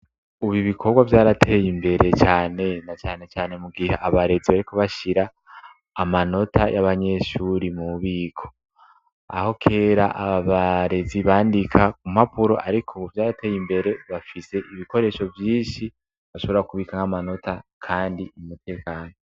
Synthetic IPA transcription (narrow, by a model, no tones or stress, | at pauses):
uβiβikʰo̞ɾɡwavjaːɾatʰe̞jimbe̞ɾe̞t͡ʃaːne̞nat͡ʃaːne̞t͡ʃaːne̞muɡihaʔaβaɾe̞ziβaɾiko̞βaʃiɾaː | mano̞tʰajʔaβaɲe̞ʃuɾimuβiːkʰo̞̥ | a̰ho̞kʰe̞ːɾaʔaβaβaɾe̞ziβaːndikʰakum̥hapuɾo̞̰ʔaɾikʰovjaːɾate̞jimbe̞ɾe̞βafise̞ʔiβiko̞ɾe̞ʃo̞vjiːnʃi | βaʃo̞βoɾakuβiːkaŋamano̞takʰaːndiimute̞ːkaːno